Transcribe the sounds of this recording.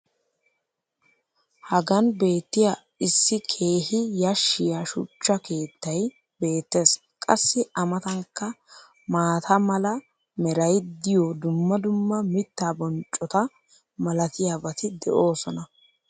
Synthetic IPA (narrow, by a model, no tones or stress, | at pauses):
hɐɡɐnbe̞ːt̪ːɪja | ɪsːɪkʰe̞ːɦɪjɐʃːɪjaʃʊ̰t͡ʃːɐkʰe̞ːt̪ːɐj | be̞ːt̪ːe̞ːs | kʼɐsːɪɐmɐt̪ɐŋkːɐ | maːt̪ʰɐmɐlɐ | mɛɾɐjd̪ɪjod̪ʊmːɐd̪ʊmːɐmɪt̪ːaːbɔnt͡ʃʼːɔt̪ɐ | mɐlɐt̪ɪjaːbɐt̪ɪd̪ɛ̰ʔo̞ːsɔnɐ